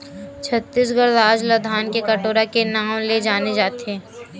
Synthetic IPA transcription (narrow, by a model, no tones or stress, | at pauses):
t͡ʃʰət̪ːis̬ɡəɾɾaːd͡ʒlɐd̪ʱaːnkekɐʈoːɾakenaːmled͡ʒaːned͡ʒaːt̪eː